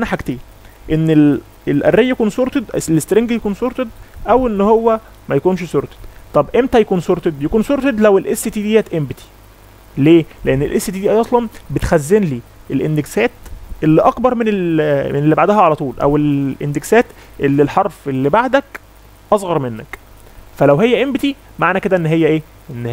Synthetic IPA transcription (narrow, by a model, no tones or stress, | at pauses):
ʔænæħaɡt̪iː | ʔenːel | elʔæ̰rːejːjekuːnsoɾt̪ed̪ʔlest̪ɾeŋɡjekuːnsoɾt̪ed̪ʔæwenːhowːæ | mæjækuːnʃsoɾt̪e̥d̪̥t̪ˤɑbʔemt̪æjekuːnsoɾt̪ed̪jekuːnsoɾt̪ed̪læwelʔesːit̪iːd̪iːjæt̪ʔembet̪i̥ | leːleʔenːelʔḛsːit̪iːd̪iːʔæjʔɑsˤlɑmbet̪xæzːenliːʔelʔend̪eksæːt̪ʔelːiʔɑkbɑɾˤmenelmenelːibaʕd̪æɦæʕalæt̪ˤuːlʔæ̰welʔḛnd̪eksæːt̪ | ʔelːilħɑɾˤfelːibaʕd̪æk | ʔɑsˤɣɑɾˤmenːæk | fælæwɦejːæʔembet̪i | maʕnæked̪æʔenːɦejːæʔeː | ʔenːh